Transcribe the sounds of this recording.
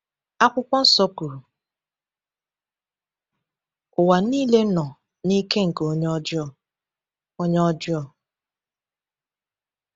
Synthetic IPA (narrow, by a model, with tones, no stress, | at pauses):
a˦kʷʊ˦kʷɔ˦n̩˦sɔ˦ku˨ | ʊ˨wa˨niː˦le˦nɔ˨ | ni˦ke˦ŋ̩˨ke˨o˦ɲ˦ɔ˦d͡ʒɔ˨ | o˦ɲ˦ɔ˦d͡ʒɔ˦˨